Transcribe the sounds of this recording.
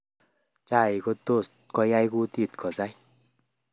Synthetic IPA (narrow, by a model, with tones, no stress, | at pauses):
t͡ʃa˧˨i˨ko˧t̪o˦˧˨t̪kɔ˧ja˧˦jɡu˦t̪i˧˨t̪kʰɔ˨za˧˦j